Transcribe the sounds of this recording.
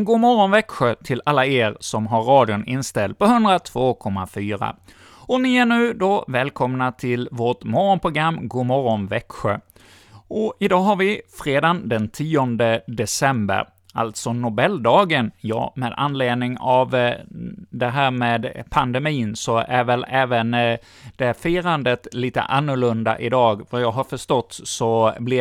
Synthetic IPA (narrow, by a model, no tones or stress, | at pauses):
ɡuːmɔɾɔnvɛkɧət̪ʰɪlalːaeːɾsɔmɦaɾːɑːd̪jʊnɪnst̪ɛlt̪̚pɔhɵnd̪ɾat̪ʰv̥oːkʰɔmːa̰fyːɾa̰ | ɔnɪæɳʉ̟ːd̪ɔvɛːlkʰɔmnat̪ʰɪlvoːʈmɔɾɔnpʰɾʊɡɾamːɡuːmɔɾɔnvɛkɧə | ɔɪd̪ɑːɦaɾvɪfɾeːd̪and̪ɛnt̪ʰiːɔnd̪əd̪ɛsɛmbə̰ɾ | a̰lt̪sɔnʊbɛld̪ɑːɡənjɑ̰ːmeːd̪a̰nːleːd̪nɪŋav | d̪ɛɦæːɾmeːd̪pʰand̪ɛmiːnsɔʔæɾvɛlɛːvən | d̪̥ɛfiːɾand̪ət̪liːt̪ə̰ʔanːʊɭɵnd̪a̰ʔɪd̪ɑːɡvajɑːɡɦaɾfœʂt̪ɔt̪ːsɔblɪ